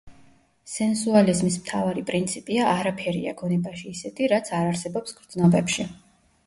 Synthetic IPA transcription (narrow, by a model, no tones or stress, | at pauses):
sɛnsualizmismt̪ʰavaɾipʼɾint̪sʰipʼiaʔaɾapʰɛɾḭa̰ɡɔnɛbaʃiːsɛt̪ʰiɾat̪sʰaɾaɾsɛbɔpsɡɾd̪znɔbɛpʃi